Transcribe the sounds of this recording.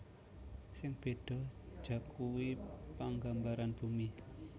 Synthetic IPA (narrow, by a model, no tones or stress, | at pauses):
sɪŋb̥e̤d̥ɔ̤̥ʒ̥ä̤kuwipaŋɡambaɾanb̥ṳmi